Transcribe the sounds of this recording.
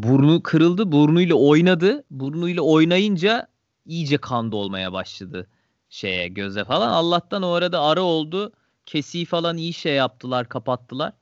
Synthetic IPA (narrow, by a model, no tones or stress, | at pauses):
buɾunukʰɯɾɯlˠd̪ɯbuɾunujlʲˠao̞jnad̪ɯbuɾunujlʲˠao̞jnajɯnd͡ʒa | ijd͡ʒɛkʰand̪ɯo̞lˠma̰ja̰baʃlˠad̪ɯ | ʃe̞̰jɛ̰ɟø̞zɛfalˠanalˠːaht̪ano̞ɾad̪aːɾɯo̞lˠd̪ʊ | cʰe̞siːfalˠanijiʃejːap̚t̪ʰɯlˠaɾkʰapat̪ʰːɯlˠa̰ɾ̥